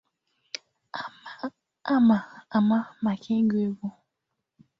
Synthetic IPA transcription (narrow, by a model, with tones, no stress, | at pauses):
a˦ma˨a˨ma˦ma˨kʰe˦ŋ̩˦ɡe˦ɡo˦